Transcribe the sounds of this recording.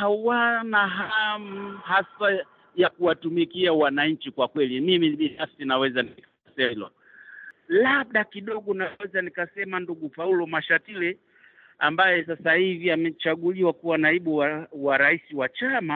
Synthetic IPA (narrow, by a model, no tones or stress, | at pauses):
hawanaɦaam̩hasa | jakuwatumikiawanaɲ̩t͡ʃikwakwɛlimimiɓinafsinawɛzanika | sɛlwa̰ | laɓ̚ɗakiɗɔɠɔnawɛzanikasɛmanduɡupaulɔmaʃatilɛ | ambajɛsasahiviamɛt͡ʃaɠuliwakuwanaiɓuawaɾaisiwat͡ʃama